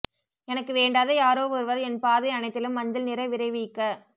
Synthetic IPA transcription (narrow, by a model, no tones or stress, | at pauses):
ɛnɐkːɯʋeːɳɖaːðɐjaːɾoːʋɔɾɯʋɐɾɛnpaːðɐɪɐɳɐɪt̪ːɪlɯmːɐɲd͡ʒɐlnɪɾɐɪʋɪɾɐɪʋikːɐ